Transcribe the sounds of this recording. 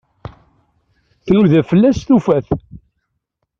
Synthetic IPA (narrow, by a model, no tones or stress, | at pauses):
θnuðæfəlːæsθufæθ